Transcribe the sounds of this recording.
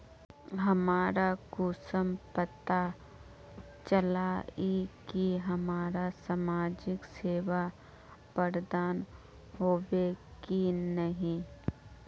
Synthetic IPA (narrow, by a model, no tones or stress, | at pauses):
ɦɐmaːɾakuːsəmpət̪a | t͡ʃəlaːikiɦɐmaːɾasamaːd͡ʒɪkseːʋa | pəɾd̪aːn | ɦoːʋekinəɦĩ